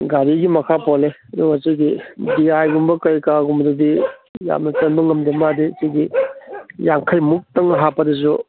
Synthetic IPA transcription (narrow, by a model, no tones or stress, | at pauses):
ɡaɾiɡimɐkʰapɔleɐduɡɐt͡ʃɐjɡidiajɡumbɐkɐjkaɡumbdɐdija̰mnɐt͡ʃɐnbɐŋɐmdemadisɐɡi | jaŋkʰɐjmuk̚tɐŋɦapɐdɐs̬u